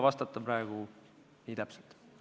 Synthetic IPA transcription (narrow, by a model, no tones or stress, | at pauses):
vɑst̪ɑt̪ːˑɑpɾɑeɡ̥u | niːt̪æpselt̪